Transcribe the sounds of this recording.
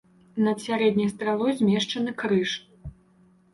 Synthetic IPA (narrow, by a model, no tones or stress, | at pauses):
nɐd̪sʲaɾɛd̪ʲnʲɐjst̪ɾalˠɔjzʲmʲɛʂt͡ʂɐnɨkɾɨʂ